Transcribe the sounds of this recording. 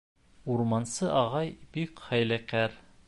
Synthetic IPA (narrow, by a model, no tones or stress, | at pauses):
uɾmɑnsɤʔɑʁɑjbikχæjlækæɾ